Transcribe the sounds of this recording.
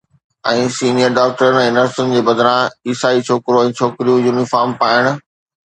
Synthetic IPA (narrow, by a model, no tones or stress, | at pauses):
ɛ̃ːsiːnijəɾɖaːk̚ʈəɾənɛ̃ːɪnəɾsənɪ̆d͡ʑeːbɐd̪ʱɾãiːsaːit͡ɕʰoːkɪɾoɛ̃ːt͡ɕʰoːkɪɾijũjuːnɪfaːɾmpaːɪɽ̃ʊ̆